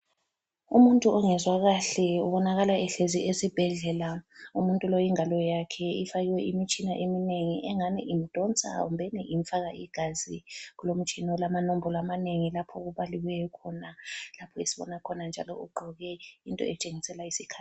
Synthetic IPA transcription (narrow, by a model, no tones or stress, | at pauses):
umuntʼuʔɔŋɛzwaɣaɬɛuβɔnaɣalaɛɬeziʔezib̥ʱɛɮɛlaumuntʼulojiŋalɔjakʰɛifaɣwɛʔimit͡ʃʼinaʔemineŋiʔɛŋaniʔim̩d̥ʱɔnt͡sʼa̰ṵmbʱɛniʔimfaɣaʔiɡ̥ʱaziɣulom̩t͡ʃʼinɔlamanombʱɔlɔamaneŋilapʰɔɣuβaliwɛjɔkʰɔnalapʰɔisiβɔ̰nakʰɔnand͡ʒʱalɔ̰uɡ͡ǃʱɔɣɛintʼɔ̰ɛt͡ʃʼeŋisɛlaisikʰḁːt